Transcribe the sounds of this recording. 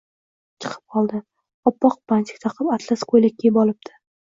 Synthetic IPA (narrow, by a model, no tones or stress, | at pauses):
t͡ʃʰɨ̥qʰɨ̥p̚qʰɒlˠd̪ɪ | ɒpːɒq̚bant͡ʃʰɪ̥kʲt̪ʰɑqʰɨpat̪ʰlaskʰojlak̚ʲʰːejɪbɒlˠɪp̚d̪ʰɪ̥